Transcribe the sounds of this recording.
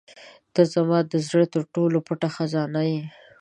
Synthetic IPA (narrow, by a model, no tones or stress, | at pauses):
d̪̥əzamɑd̪əzɾət̪əɾʈolopʊʈaxazɑnaje